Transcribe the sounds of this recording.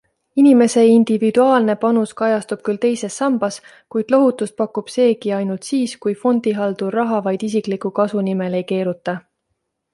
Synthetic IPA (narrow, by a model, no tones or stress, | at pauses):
inime̞se̞ind̪̥ivid̪̥uɑːlne̞pɑnuskɑjɑst̪ub̥̚kylt̪e̞jse̞sːɑmb̥ɑs | kujd̪̥lo̞ɦut̪ːˑust̪̚pɑkːˑub̥se̞ːkiɑjnult̪siːskujfo̞nd̪̥iɦɑld̪̥urɑɦɑvɑjd̪̥is̬ikˑlikukɑsunime̞le̞jke̞ːɾut̪ːˑɑ